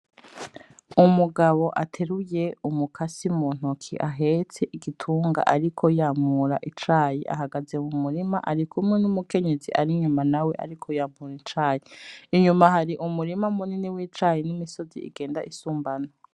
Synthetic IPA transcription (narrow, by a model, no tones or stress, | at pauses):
umuɡaβo̞ʔatʰe̞ɾuje̞umukʰasimuːn̥ukʰḭʔaɦe̞t͡se̞ʔiɡitʰuːŋɡa̰ʔaɾikʰo̞jaːmuɾa̰ʔit͡ʃaːjiʔa̰ɦaɡaze̞mumuɾimaʔaɾikʰumŋenumuke̞ɲe̞zḭʔaɾiɲumanawe̞ʔa̰ɾikʰojaːmuɾint͡ʃɾaːjiiɲumaɦaɾiʔumuɾimamuniniwiːt͡ʃɾajinimisozḭḭɡe̞ːndaʔisuːmbano